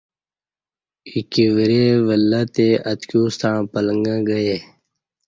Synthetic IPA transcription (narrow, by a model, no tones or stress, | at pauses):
ikiʋiɾeːʋəlːat̪eːət̪kjuːst̪ãːpələŋɡãːɡəjeː